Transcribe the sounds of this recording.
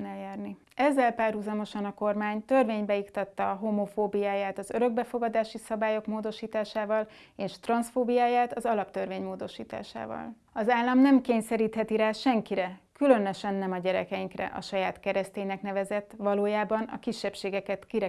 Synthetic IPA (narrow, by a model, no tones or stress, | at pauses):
nɛljaːrni | ɛzːɛlpaːrɦuzɒmo̞ʃɒnɒko̞rmaːɲt̪ørveːɲbɛikt̪ɒt̪ːɒːɦomofoːbijaːjaːt̪ɒzøɾø̞ɡ̚bɛfo̞ɡɒd̪aːʃisɒbaːjo̞kmoːd̪o̞ʃiːt̪aːʃaːvɒl | eːʃt̪rɒnsfoːbijaːjaːt̪ɒzɒlɒpt̪ørveːɲmoːd̪o̞ʃḭːt̪a̰ːʃa̰ːvɒ̰l | ɒzaːlːɒmnɛmkeːɲsɛɾiːt̪hɛt̪iɾaːʃɛŋkiɾɛkylø̞nø̞ʃɛnːɛmɒɟɛɾɛkɛjiŋkrɛ̰ʔɒ̰ʃɒjaːt̪kɛɾɛst̪eːɲnɛknɛvɛzɛt̪ːʋɒloːjaːbɒnɒ̰kiʃːɛpʃeːɡɛkɛt̪kiɾɛ